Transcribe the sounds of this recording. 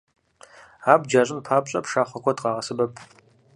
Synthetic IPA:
aːbd͡ʒaːɕʼɪnpʰaːpɕʼɐ̰pʰʂaːχʷɔkʷʰɔtʼqɑːʁɐsɨbɐpʰ

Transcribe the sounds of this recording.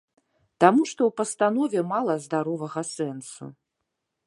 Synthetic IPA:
t̪amuʂt̪ɔwpɐst̪anɔvʲɛmalˠɐzd̪aɾɔvɐɣɐsɛnsṵ

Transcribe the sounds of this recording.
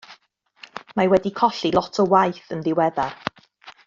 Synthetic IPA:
mawɛdikʰɔɬilˠɔtʰɔwajθənðɪwɛðar

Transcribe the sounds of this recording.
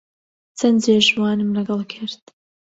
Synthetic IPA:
t͡sʰɐnd͡zeːʒwɑːnɨmlɐɡɑlˠkʰɪɾt̪

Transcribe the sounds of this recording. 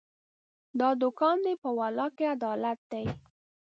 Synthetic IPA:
d̪ɑd̪ʊkɑnd̪epəwalɑkead̪ɑlat̪̚d̪aj

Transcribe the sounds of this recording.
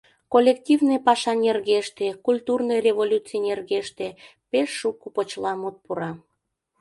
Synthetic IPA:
kolʲːektʲivnepɑʃɑnʲerɣeʃt̪ekulʲt̪urnəjrʲevolʲut͡sijnʲerɣeʃt̪e | peʃːukupot͡ɕlɑmut̪̚puɾɑ

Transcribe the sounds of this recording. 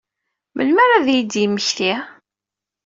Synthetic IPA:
mə̰lmæɾaðjid̪jəmːəçθi

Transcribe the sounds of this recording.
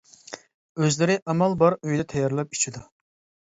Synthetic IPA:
øzlɪɾɪʔɑmɑlˠbɑɾøjd̪ɛt̪ʰɛjɑɾlˠɑp̚i̥t͡ʃʰid̪u

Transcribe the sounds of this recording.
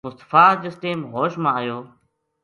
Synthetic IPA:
mʊst̪ə̥faːd͡ʒɪsʈeːmɦoːʃmãːəjoː

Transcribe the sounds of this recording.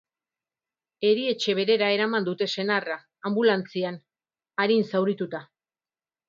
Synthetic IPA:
e̞ɾie̞t͡ʃe̞β̞e̞ɾe̞ɾae̞ɾamand̪ut̪e̞se̞naraː | mbulant͡sian | aɾinsawɾit̪ut̪a

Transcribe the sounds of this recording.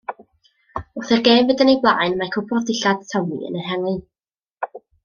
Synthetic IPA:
ʊθɛrɡeːmvədənejblˠa̰ːjnmakʰʊpʰɔðdɪɬad̥tʰɔmḭə̰nənɦɛŋɨ

